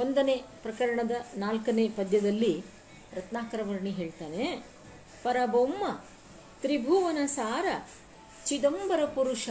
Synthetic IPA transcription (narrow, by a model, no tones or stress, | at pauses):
ond̪ɐneːpɾɐkɐɾɐɳɐd̪ɐnaːlkɐneːpɐd̪jɐd̪ɐlːi | ɾɐt̪naːkɐɾɐʋɐɾɐɳiɦe̞ːɭt̪aːne | pɐɾɐbomːɐ | t̪ɾibʱuʋɐnɐsaːɾɐ | t͡ʃid̪ɐmbɐɾɐpuɾuʂɐ